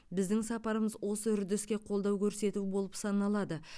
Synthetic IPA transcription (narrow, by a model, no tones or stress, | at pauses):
bɪzd̪ɪŋsɑpɑɾəməzwo̞səʏɾd̪ɪskʲe̞qʰolˠd̪ɑwkʲʰɵɾse̞t̪ubo̞lˠəpsɑnɑlˠɑd̪ə